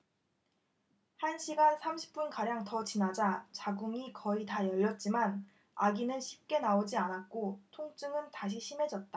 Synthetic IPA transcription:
hanɕʰiɡansʰamɕʰi̥p̚p͈unkaɾjaŋtʌt͡ɕinad͡ʑat͡ɕaɡuŋikʌitajʌʎːʌt̚t͡ɕ͈iman | aɡinɯnɕʰi̥p̚k͈e̞naod͡ʑianat̚k͈otʰoŋt͡ɕ͈ɯŋɯntaɕ̬ʰiɕʰime̞d͡ʑʌt̚t͈a

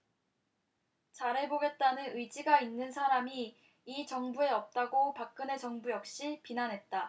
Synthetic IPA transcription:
t͡ɕaɾe̞boɡe̞t̚t͈anɯnɯid͡ʑiɡainːɯnsʰaɾamiː | t͡ɕʌŋbue̞ʌp̚t͈aɡopak̚k͈ɯne̞t͡ɕʌŋbujʌk̚ɕ͈ipinanɦe̞t̚t͈a

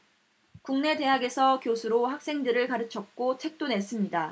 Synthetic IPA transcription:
kuŋne̞de̞ɦaɡe̞sʰʌkjosʰuɾohak̚s͈e̞ŋdɯɾɯɭkaɾɯt͡ɕʰʌk̚k͈ot͡ɕʰe̞k̚t͈one̞s͈ɯmɲida

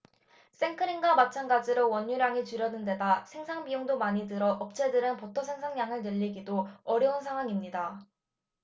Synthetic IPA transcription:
s͈e̞ŋkʰɯɾiŋɡamat͡ɕʰanɡad͡ʑiɾowʌɲːuɾjaŋit͡ɕuɾjʌnːɯnde̞dasʰe̞ŋsʰaŋbijoŋdomaɲidɯɾʌʔʌp̚t͡ɕ͈ʰe̞dɯɾɯnpʌtʰʌsʰe̞ŋsʰaŋɲaŋɯɭnɯʎːiɡidoʌɾjʌunsʰaŋɦwaŋimɲida

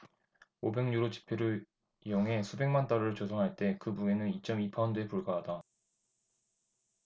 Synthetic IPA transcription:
obe̞ŋɲuɾot͡ɕi̥pʰeɾɯ | joŋɦe̞sʰube̞ŋmant͈aɾoɯɭt͡ɕosʰʌŋɦaɭt͈e̞kɯbue̞nɯnit͡ɕ͈ʌmipʰaʌndɯepuɭɡaɦada

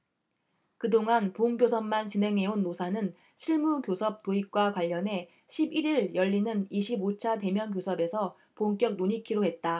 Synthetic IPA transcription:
kɯdoŋanpoŋɡjosʰʌmmant͡ɕine̞ŋɦe̞onːosʰanɯn | ɕʰiɭmukjosʰʌp̚t͈oik̚k͈wakwaʎːʌne̞ | ɕʰibiɾiɭjʌʎːinɯniɕʰibot͡ɕʰate̞mjʌnkjosʰʌbe̞sʰʌ | poŋk͈jʌk̚noɲikʰiɾoɦe̞t̚t͈a

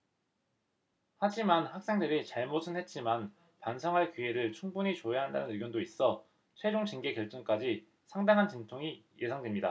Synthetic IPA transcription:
had͡ʑimanhak̚s͈e̞ŋdɯɾit͡ɕaɭmosʰɯnɦe̞t̚t͡ɕ͈iman | pansʰaŋɦaɭkiɦe̞ɾɯɭt͡ɕʰuŋbuɲit͡ɕojaɦandanɯnɯɭɡjondois͈ʌ | t͡ɕʰwe̞d͡ʑoŋt͡ɕiŋɡe̞kjʌɭt͡ɕ͈ʌŋk͈ad͡ʑi | sʰaŋdaŋɦant͡ɕintʰoŋijʔe̞sʰaŋdwe̞mɲida

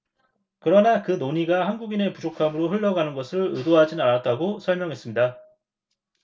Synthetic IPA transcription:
kɯɾʌnakɯnoɲiɡahanɡuɡine̞pud͡ʑokʰamɯɾoɦɯɭːʌɡanɯnɡʌsʰɯɭɯdoɦad͡ʑinanat̚t͈aɡosʰʌɭmjʌŋɦe̞s͈ɯmɲida

